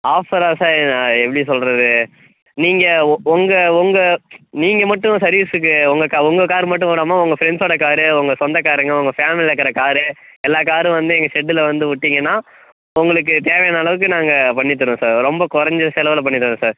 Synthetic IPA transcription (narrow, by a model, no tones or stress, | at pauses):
aːfɐɾaːsaːɾnãːɛpːɐɽijs̬ɔlɾɐðɯ | niːŋɡɐɔŋɡɐʊŋɡɐniːŋɡɐmɐʈːʊ̃sɐɾiːsɯk̬ːɯʊŋɡɐkaːʊŋɡɐkaːɾɯmɐʈ̬ːɯʊ̃ʋuːɽaːmaːʊŋɡɐfɪɾɛɳɖsoːɽɐkaːɾɯʊŋɡɐsɔnd̪ɐkaːɾɯŋɡɐʊŋɡɐfaːmɪlɪlɐkːɐɾɐkaːɾɯ | ɛlːaːk̬aːɾɯ̃ʋɐnd̪ɯɛŋɡɐʂɛɖːɯlɐʋɐnd̪ɯʊʈːiŋɡɐnːaː | ʊŋɡɐɭɯk̬ːɯt̪eːʋɐjnɐlɐʋɯk̬ːɯnaːŋɡɐpɐɳːɪt̪ːɯɽʊ̃saːɾɾɔmbɐkʊɾɐɲd͡ʒɐsɛlɐʋɐlɐp̬ɐɳːɪt̪ːɯɾɯ̃saːɾ